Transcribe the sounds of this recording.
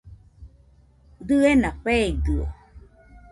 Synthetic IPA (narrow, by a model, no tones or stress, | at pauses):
d̪ɯenaɸeːd̪ɯo̰